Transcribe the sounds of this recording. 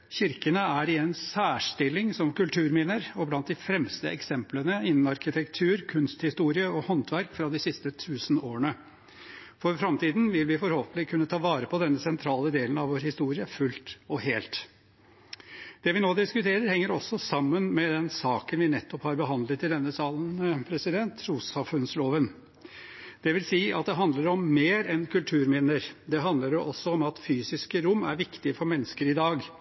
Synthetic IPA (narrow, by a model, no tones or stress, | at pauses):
çɪɾkənəæɾɪɛnsæːʂʈɪlːɪŋsɔmkʉlt̪ʰʉːɾmiːnəɾɔblɑnt̪̚d̪ɪfɾɛmst̪ə̰ʔɛksɛmplənəɪnːn̩ɑɾkɪt̪ʰɛkt̪ʰʉːɾkʰʉnst̪hɪst̪uːɾɪəɔhɔnt̪ʰʋæɾkfɾɑd̪ɪsɪst̪ət̪ʰʉːsən̩oːɾəɳə | fɔɾfɾɑmt̪ʰiːd̪n̩ʋɪlʋɪfɔɾhoːpnɪkʰʉnːət̪ʰɑːʋɑːɾəpʰɔd̪ɛnːəsɛnt̪ʰɾɑːləd̪eːlən̩ɑʋoːɾhɪst̪uːɾɪəfʉlt̪ɔɦeːlt̪ | d̪̥ɛʋɪnoːd̪ɪskʉt̪ʰeːɾəɾhɛŋːəɾɔsːɔsɑmːənmɛd̪ɛnsɑːkənʋɪnɛt̪ːɔphɑɾbəɦɑnd̪lət̪ʰːɪld̪ɛnːəsɑːlən̩pʰɾɛsɪd̪ɛnt̪ɾuːsɑfʉnsloːʋən | d̪̥ɛʋɪlsiːɑ̰t̪̚d̪ɛɦɑnd̪ləɾɔmːeːɾɛnkʉlt̪ʰʉːɾmɪnːəɾd̪ɛɦɑnd̪ləɾʔɔsːɔɔmɑt̪fyːsɪskəɾʊmːæɾʋɪkt̪ɪfɔɾmɛnːəskəɾɪd̪ɑːɡ